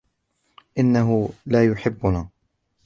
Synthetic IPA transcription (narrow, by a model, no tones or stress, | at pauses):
ʔɪnːaɦʊlaːjʊħɪbːʊnaː